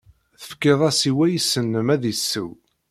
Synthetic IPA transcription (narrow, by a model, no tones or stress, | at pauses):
θə̥fkːeðˤɑsiwæjəsːənːəmæðisːəw